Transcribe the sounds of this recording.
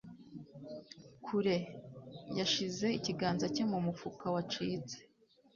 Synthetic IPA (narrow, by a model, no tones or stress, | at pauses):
kʰuɾe̞ | jaʃize̞iciɡaːnzacemumufukawat͡ʃiːt͡se̥